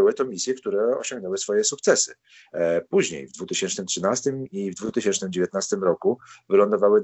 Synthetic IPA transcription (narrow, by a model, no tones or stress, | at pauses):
ɘwɘt̪ɔmʲisʲjɛkt̪uɾɛɔ̰ɕɔŋɡnɛwɘsfɔjɛsuk̚t̪sɛsɘ | puʑɲḛjvd̪vut̪ɘɕɛnt͡ʂnɘmtʂɘnast̪ɘmivd̪vut̪ɘɕɛnt͡ʂnɘmd͡ʑevʲjet̪nast̪ɘmɾɔkuvɘlɔnd̪ɔvawɘ